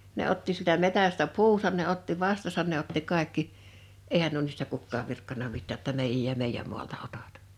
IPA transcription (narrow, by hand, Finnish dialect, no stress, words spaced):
ne otːi sieltæ metæstæ puːsɑn ne otːi ʋɑstɑsɑn ne otːi kɑˑekːi ʔeihæn nuo niːstæ kukːɑːʋ ʋirkːɑnɑ mitːæː tːɑ meijæ̆j jɑ meijːæm muɑltɑ otɑt